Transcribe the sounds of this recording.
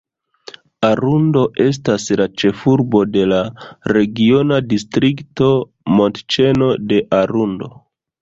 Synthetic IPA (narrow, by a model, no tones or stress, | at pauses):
aɾundo̞ʔe̞s̬taslat͡ʃe̞fuɾbo̞de̞laɾe̞ɡio̞nadistɾikto̞ | mo̞ntt͡ʃe̞no̞de̞ʔaɾundo̞̰